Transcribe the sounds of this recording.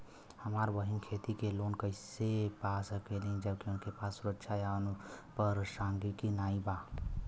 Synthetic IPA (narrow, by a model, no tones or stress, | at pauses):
həmaːɾʋəɦɪnkʰeːt̪ikeloːnkəɪsepasəkelĩd͡ʒəbkiʊnkepaːsːʊɾəkʃʰajaʊnpəɾsãŋɡikinaːĩba